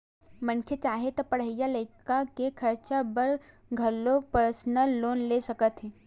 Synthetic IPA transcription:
mə̃nkʰet͡ʃaːɦet̪opɐɽ̤əjaləɪkakekʰɐɾt͡ʃabəɾ | ɡʱɐlːopəɾsnəlːoːnlesɐkət̪ɦɛ̃ː

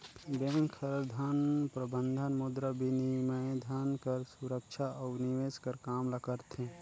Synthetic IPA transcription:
bẽŋkʰəɾd̪ʱanpɾəbənd̪ʱənmʊd̪ɾəbʱiniməd̪ʱankəɾsuɾəkt͡ʃʰaʔɔniʋeːskəɾkaːmlakəɾt̪ʰẽ

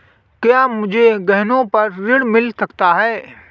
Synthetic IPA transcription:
kjaːmʊd͡ʒʱeɡɐɦnõpɐɾɾɪɽmɪlsɐkt̪aɦɛː

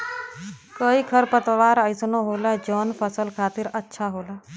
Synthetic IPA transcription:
koikʰəɾpət̪ʋaːɾəɪsnoɦoːlad͡ʒɔːnpʰəsəlkʰaːt̪ɪɾətːʃʰaɦoːlaː

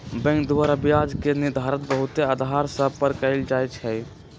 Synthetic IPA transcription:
bɛ̃ŋkd̪uwəɾəbijad͡ʒkenid̪ʱaɾət̪̚bəɦut̪ead̪ʱɦaɾsə̃pəɾkəɪld͡ʒajt͡ʃʰɛj

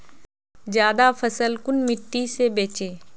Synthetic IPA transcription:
zjaːd̪afʰɐsəlkʊnmɪʈːisebeːt͡ʃeː

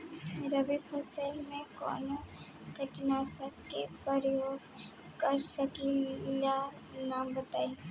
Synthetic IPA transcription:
ɾəbipʰɐsəlmẽkɔ̰ːn | kəʈnasəkkepəɾjoːɡ | kəɾsəkila | naːmbət̪aːi

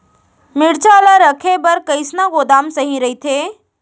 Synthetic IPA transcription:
mɪɽt͡ʃaːlaɾɐkʰebɐɾkɐisnaɡoːd̪aːmsɐɦĩɾɐɦit̪ʰeː

